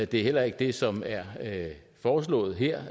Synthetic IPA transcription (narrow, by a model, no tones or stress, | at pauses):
d̥e̝æɐhel̰ɐe̝ɡ̥əd̥e̝sɒ̽mæɐ | fɒːs̬lɔ̰̽ːð̩ˠɦɛ̰ɐ̰